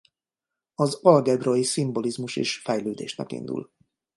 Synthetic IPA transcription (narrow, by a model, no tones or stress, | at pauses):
ɒzɒlɡɛbrojisimbo̞lizmuʃḛːʃfɛjløːd̪eːʃnɛ̰kḭnd̪ṵl